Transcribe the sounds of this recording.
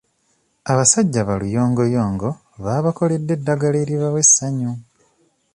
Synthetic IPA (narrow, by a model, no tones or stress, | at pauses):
aβasaɟːaβalujo̞ːŋɡo̞joːŋɡo̞ | βaːβako̞le̞dːe̞dːaɡaleːɾiβawe̞sːaɲu